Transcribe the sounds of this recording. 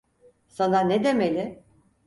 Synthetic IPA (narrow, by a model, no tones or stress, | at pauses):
sananed̪e̞melʲɪ